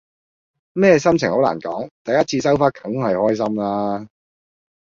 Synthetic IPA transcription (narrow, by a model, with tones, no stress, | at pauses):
mɛː˥˧sɐ˥mt͡sʰɪ˨ŋho˨˥la̰ː˨˩nkɔ̰ː˨˥ŋt̪ɐ˨jɐ˥t̚t͡sʰiː˧s̬ɐ˥wfaː˥t̚kʰɐ˨˥ŋhɐ˨jhɔː˥js̬ɐ˥mlaː˥